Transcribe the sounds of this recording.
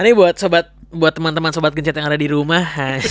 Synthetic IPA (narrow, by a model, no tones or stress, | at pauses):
anibuat̪̚sobat̪̚buat̪ːəmant̪əmansobat̪̚ɡəɲt͡ʃat̪̚jaŋadadiɾumaha